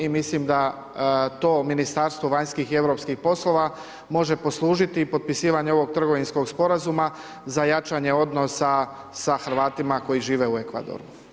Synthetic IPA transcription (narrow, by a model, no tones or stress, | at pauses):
imislimd̪a | t̪o̞ːminist̪aɾst̪ʋoʋaɲskixie̞ʋɾo̞pskixpo̞slˠo̞ʋa | mo̞ʒe̞po̞slˠuːʒit̪ipo̞t̪̚pisiːʋaɲeo̞ʋo̞ɡ̚t̪ɾr̩ɡo̞ʋinsko̞ɡspo̞ɾazuma | zajat͡ʃaɲe̞o̞d̪nosa | saxɾʋaːt̪imako̞jiʒiːʋeue̞kʋa̰d̪o̰ɾu